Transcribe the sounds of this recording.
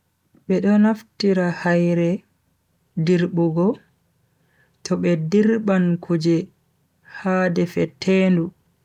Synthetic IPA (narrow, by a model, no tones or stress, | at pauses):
ɓɛɗɔnaftiɾahajɾɛ | diɾɓuɡɔ | tʰɔɓɛdiɾɓankʰud͡ʒɛ | haːdɛfɛtʰeːndu